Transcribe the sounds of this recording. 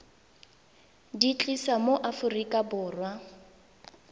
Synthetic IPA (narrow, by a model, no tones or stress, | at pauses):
dit͡ɬʼisamoʔafʊrikʼabʊːrwa